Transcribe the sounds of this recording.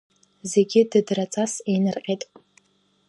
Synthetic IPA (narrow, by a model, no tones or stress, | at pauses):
ze̞ɡʲɪdɨdrat͡sʼasenɨrqʲʼetʼ